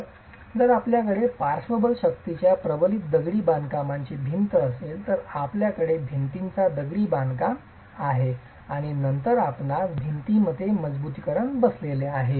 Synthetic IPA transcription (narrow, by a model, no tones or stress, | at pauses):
d͡zəɾapljakəɽepaɾsʋəbəlɕəkt̪it͡ɕjapɾəʋəlit̪̚d̪əɡɽiːbãnd̪kamaɲt͡ɕibʱint̪əːselt̪əɾapljakəɽebʱint̪int͡sad̪əɡɽiːbãnd̪kam | aɦe | aɽ̃inənt̪əɾapnabʱint̪iməd̪ʱːjeməd͡zbut̪ikəɾəɳbəsleleaɦe